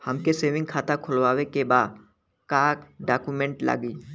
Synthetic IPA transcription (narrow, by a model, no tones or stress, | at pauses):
həmkeseːʋɪ̃ŋɡkʰaːt̪akʰʊlwaːwekebaːd̪ | kaːkɖaːkumẽːɳʈla̰ːɡiː